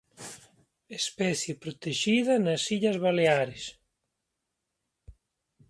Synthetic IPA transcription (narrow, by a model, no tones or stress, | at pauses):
espɛθjepɾot̪eʃiðɐnasiʎɐzβaleaɾes